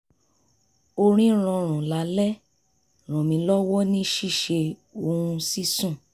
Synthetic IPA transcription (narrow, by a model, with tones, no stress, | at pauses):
o˧ɾ̃ĩ˦ɾ̃ɔ̃˧ɾ̃ũ˨la˨˦lɛ˦ | ɾ̃ɔ̃˨mĩ˧lɔ˦wɔ˦nĩ˦ʃi˦˨ʃe˧o˧ɾũ˧si˦sũ˦˨